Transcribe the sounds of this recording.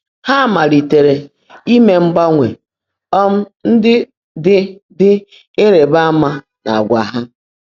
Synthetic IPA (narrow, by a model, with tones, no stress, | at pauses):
ha˦˨ma˨ɾi˨te˨ɾe˨ | i˦me˨ŋ͡m̩˦ɡ͡ba˦ŋʷe˨ | ɔ˦m̩˦ | n̩˦dɪ˦ | dɪ˦ | dɪ˦ | e˦ɾe˨ba˦ma˦ | na̰˨a˨ɡʷa˨ɦa˦